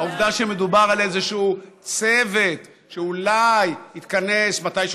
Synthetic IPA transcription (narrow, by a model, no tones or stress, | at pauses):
auvd̪aʃemed̪ubaʁalezeʃuut͡sevet̪ | ʃeulajhit̪kane̞smat̪ajʃ